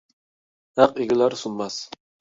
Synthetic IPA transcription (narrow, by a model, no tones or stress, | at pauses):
hæqeɡʲɪlæɾsunmɑs